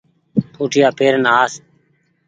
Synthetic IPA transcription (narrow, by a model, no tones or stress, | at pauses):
pʰuːʈʰɪjaːpeːɾnaːs